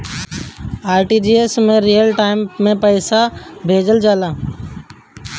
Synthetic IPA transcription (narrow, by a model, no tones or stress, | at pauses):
aːɾʈid͡ʒiːesmẽɾijəlʈaːɪmːẽpəɪsabʱeːd͡ʒəld͡ʒaːlaː